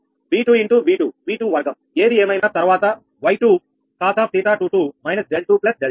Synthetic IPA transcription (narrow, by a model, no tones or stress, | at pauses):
ʋiːʈuiɳʈuʋiːʈuʋiːʈuʋɐɾɡɐm | eːd̪ieːmɐjnaːt̪ɐɾʋaːt̪ɐ | ʋɐjʈuː | kaːt̪aːpiːt̪aːʈuːʈumɐjnɐsd͡ʒelʈuːplɐsd͡ʒe